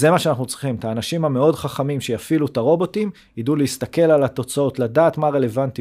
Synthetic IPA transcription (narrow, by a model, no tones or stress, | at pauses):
zemaʃeanaχnut͡sʁiχimt̪aːnaʃimhame̞o̞dχaχamimʃe̞jafilut̪aʁo̞bo̞t̪im | iduleist̪ake̞lalat̪o̞t͡sao̞t̪ladaːt̪maʁe̞le̞vant̪i